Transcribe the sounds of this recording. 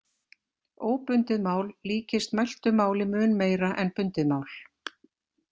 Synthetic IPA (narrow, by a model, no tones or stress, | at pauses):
oːwpʏnt̪ɪðmaːwlːiːcɪst̪majl̥t̪ʏmaːwlɪmʏːnmeːjɾaʔɛnpʏnt̪ɪðmawl